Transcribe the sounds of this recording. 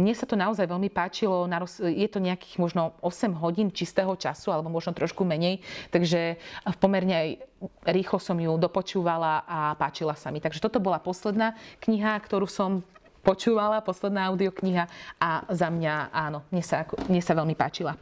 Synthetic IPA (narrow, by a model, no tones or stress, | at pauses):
mɲɛsat̪ɔnaɔzajʋɛlmipaːt͡ʃilɔnaɾɔsjɛt̪ɔɲɛaki̥ːɣmʊɔʒnɔɔsɛmɦɔɟiːnt͡ʃist̪ɛːɦɔt͡ʃa̰sualɛbɔmʊɔʒnɔt̪ɾɔʃkumɛɲɛjt̪aɡʒɛpɔmɛɾɲɛajɾiːxlɔsɔmjud̪ɔpɔt͡ʃuːʋalaʔapaːt͡ʃilasamit̪aɡʒɛt̪ɔt̪ɔbɔlapɔslɛd̪naːkɲiɦakt̪ɔɾuːsɔm | pɔt͡ʃuːʋalapɔslɛd̪naːaʊd̪iɔkɲiɦaazamɲaaːnɔmɲɛsaakɔmɲɛsaʋɛlmipa̰ːt͡ʃila